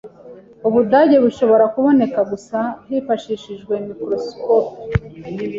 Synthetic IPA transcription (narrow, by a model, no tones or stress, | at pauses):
uβudaːɟe̞βuʃo̞βo̞ɾakuβo̞ne̞kaɡusahiːfaʃiʃiʒɡwe̞mikɾo̞skoːp